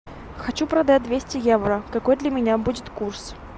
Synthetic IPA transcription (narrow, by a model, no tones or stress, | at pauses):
xɐt͡ɕupɾɐd̪ad̪vʲesʲtʲɪjevɾəkɐko̞jd̪lʲəmʲɪnʲabudʲɪt̪kurs